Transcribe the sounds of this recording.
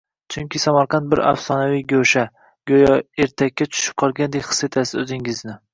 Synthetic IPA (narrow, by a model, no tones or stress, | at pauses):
t͡ʃʰʊŋkʲʰɪsamaɾqʰɑnt̪̚bɪɾa̰fsɒnavijɡʲoʃa | ɡ̥ʲojɒeɾt̪ʰakʲːat͡ʃʰʊ̥ʃɪ̥p̚qʰɒɾˠɡʲand̪ekʲχɨ̥set̪ʰasɪ̥ɵzɪŋɪznɪ